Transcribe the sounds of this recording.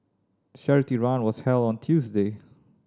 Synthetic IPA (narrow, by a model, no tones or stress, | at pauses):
ʃɛɹɨtiɹãnwʌz̥hɛlˠd̃ntʰjʉzdeɪ